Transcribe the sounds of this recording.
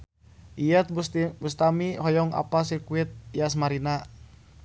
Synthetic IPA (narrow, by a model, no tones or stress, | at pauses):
ʔiət̪̚bust̪amiɦɔjɔŋa̰pasirkuit̪̚jas̬maɾina